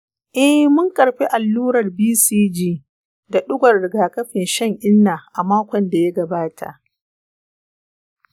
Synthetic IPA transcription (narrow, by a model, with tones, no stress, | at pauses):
ʔɛ˦hmʊ˦ŋkʼɐ˨ɽɸi˦ʔa˨lːuː˦ɾɐ˨rbiː˦siː˦d͡ʒiː˦ | da˨ɗʊ˦ɡʷɐ˨rɽɪ˨ɡaː˨kɐ˦ɸɪ˨nʃɐ˦ŋʔɪ˦nːaː˨ʔa˨maː˦kʷɔ˨nda˨ja˦ɡɐ˨baː˦tʰa̰˨ʔ